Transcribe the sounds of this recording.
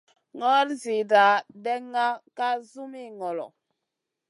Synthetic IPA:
ŋɔ˦ɾzi˨da˨dɛ˦ŋːa˦ka˦zu˦mi˦˨ŋɔ˨lɔ̰˨

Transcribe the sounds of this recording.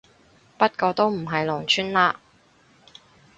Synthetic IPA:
pɐ˥t̚kɔː˧t̪o˥wm̩˨˩ɦɐ˨jlɔː˨˩ŋt͡ʃʰyː˥nlaː˧

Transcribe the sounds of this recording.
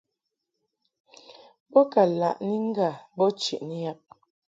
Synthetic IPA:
bɔ˦ka˨la̰˨ʔni˦ŋ˦ɡa˦˨bɔ˦t͡ʃi˨ʔni˦ja˦p̚

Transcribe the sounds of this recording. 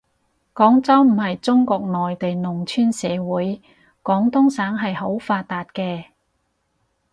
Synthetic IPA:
kɔː˨˥ŋt͡sɐ˥wm̩˨˩hɐ˨jt͡sʊ˥ŋkɔː˧k̚nɔː˨jt̪e˨jnʊ˨˩ŋt͡ʃʰyː˥nsɛː˨˧wuː˨˥j | kɔː˨˥ŋt̪ʊ˥ŋsaː˨˥ŋɦɐ˨jɦo˨˥wfaː˧t̚t̪ːaː˨t̚kɛː˧

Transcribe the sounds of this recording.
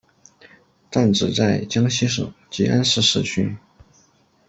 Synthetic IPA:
t̪a˥˩nʈ͡ʂɻ̩˨˩t͡sa˥˩ɪt͡ɕjɑ˥ŋɕi˥ʂ̬ɤ̰˨˩˦ŋt͡ɕi˧˥ʔa˥nʂɻ̩˥˧ʂɻ̩˥˧t͡ɕʰy˥n

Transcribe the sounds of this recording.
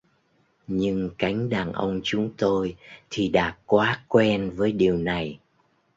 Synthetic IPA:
ɲɨ˧ŋka˨˦jŋ̟ɗaː˨˩nʔə̰˧wŋ͡mt͡ɕʊ˨˦ŋ͡mt̪o˧jt̪ʰi˨˩ɗaː˨˩t̚kwaː˨˦kwɛ˧nvəː˨˦jɗi˨˩əwna˨˩j

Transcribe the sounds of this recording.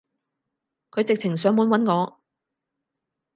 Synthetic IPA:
kʰɵ˨˧ɥt͡sɪ˨k̚t͡sʰɪ˨˩ŋs̬œː˨˥ŋmwuː˨˥nwɐ˨˥nŋɔː˨˧

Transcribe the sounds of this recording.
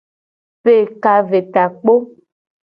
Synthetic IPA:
pe˦˨ka˦ve˨t̪a˨k͡po˦

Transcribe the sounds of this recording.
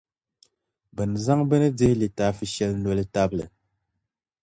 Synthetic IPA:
bɛ˨n˨za˦ŋbɛ˦nɨ˦d͡ze˦hli˨ta˨˦fi˦ʃɛ˦lno˨lɨ˦ta˦blɛ̰˨

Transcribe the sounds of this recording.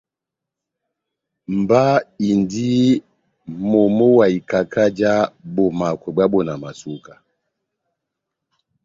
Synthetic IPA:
m˨ba˦i˨ndi˦ | mɔ˨mɔ˦wa˨i˨ka˨ka˦d͡ʒa˦bɔ˨ma˨kwɛ˨bwa˦bɔ˨na˨ma˨su˦ka˨

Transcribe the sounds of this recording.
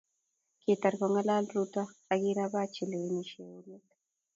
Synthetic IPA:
ke˨ta˨ɾkɔ˨ŋa˦la˦lɾu˦ta˦a˦ɡi˦ɾa˦ba˦t͡ʃi˨le˨˦ni˨ʃe˨wu˦le˦t

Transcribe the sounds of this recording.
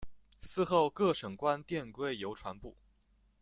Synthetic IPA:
sɹ̩˥˧xo˥˧ʊkɤ˥˩ʂɤ˨˩ŋkwa˥nt̪jɛ˥˧nkwe˥˩ɪjo˧˥ʊʈ͡ʂʰwa˧˥npu˥˩

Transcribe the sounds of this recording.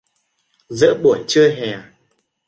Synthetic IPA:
zɨ̰˧˥ɓu˧˩əjt͡ɕɨ˧əɦɛ˨˩

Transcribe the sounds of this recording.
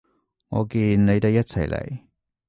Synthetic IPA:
ŋɔ̰ː˨˧kiː˧nne˨˧jt̪e˨˧kjɐ˥t̚t͡sʰɐ˨˩jlḛ˨˩j

